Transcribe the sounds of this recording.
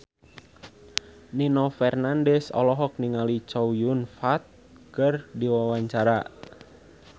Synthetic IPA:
ninɔfɛrnandɛsɔ̰lɔɦɔk̚niŋalit͡ʃɔwjunfat̪̚ | kɨrdiwawaɲt͡ʃaɾa

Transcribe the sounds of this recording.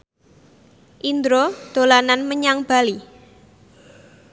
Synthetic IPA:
ʔind̪ɾod̪̥o̤lananməɲaŋb̥a̤li

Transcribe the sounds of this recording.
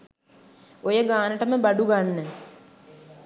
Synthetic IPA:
ojəɡaːnəʈəməbaɖuɡanːə

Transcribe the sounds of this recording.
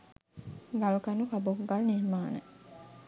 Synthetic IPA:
ɡalukɐnukɐbokɡalniɾmaːnə

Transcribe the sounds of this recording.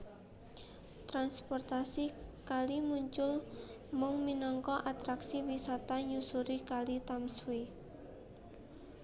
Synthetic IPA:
t̪ɾanspɔrt̪asikalimuɲt͡ʃʊl | mʊŋminɔŋkɔʔat̪ɾaksiwisat̪aɲusuɾikalit̪amswe

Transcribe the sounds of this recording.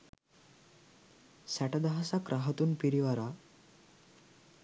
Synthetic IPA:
saʈad̪aɦasakɾʔaɦət̪uːnpiɾiʋaɾa

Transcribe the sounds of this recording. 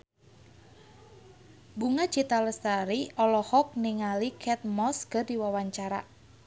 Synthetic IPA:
buŋḁt͡ʃit̪aləst̪aɾiʔɔlɔhɔk̚niŋalikʰɛt̪̚mɔskərdiwawaɲt͡ʃaɾa̰

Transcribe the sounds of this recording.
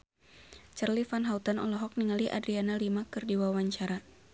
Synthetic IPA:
t͡ʃərlifanɦaut̪anɔlɔɦɔk̚niŋaliʔa̰dɾianalimakɨrdiwawaɲt͡ʃaɾa

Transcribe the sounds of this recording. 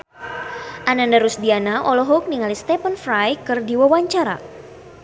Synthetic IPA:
ʔanandaɾusdianaʔɔlɔɦɔk̚niŋalist̪ɛpənfɾajkərdiwawaɲt͡ʃaɾa̰

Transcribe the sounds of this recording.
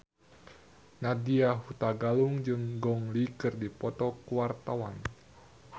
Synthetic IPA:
nadiaɦut̪aɡaluŋd͡ʒɨŋɡɔŋlikɨrdipɔt̪ɔkuwart̪awan

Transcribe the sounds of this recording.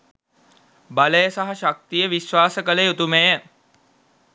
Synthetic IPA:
baləjəsaɦaʃak̚t̪ijəʋiʃʋaːsəkələjut̪umejə

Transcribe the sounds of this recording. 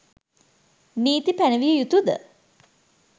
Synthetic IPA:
niːt̪ipænəʋijəjut̪ud̪ə̰

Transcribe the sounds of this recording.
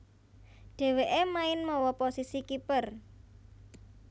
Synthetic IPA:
ɖ̥e̤weʔemaɪnmɔwɔposisikipər

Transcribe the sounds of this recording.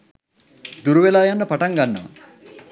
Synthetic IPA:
d̪uɾuʋelaːjanːəpaʈaŋɡanːəʋə̰

